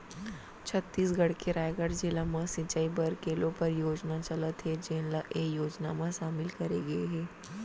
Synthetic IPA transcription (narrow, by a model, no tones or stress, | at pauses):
t͡ʃʰɐt̪ːiːsɡɐɽ̤keɾaːjɡəɾd͡ʒelamãsɪ̃t͡ʃaːibɐɾkeːlõpɐɾjoːd͡ʒnat͡ʃɐlət̪ɦɛd͡ʒeːnlaʔejoːd͡ʒnamãʃaːmɪlkɐɾeɡɐeɦɛː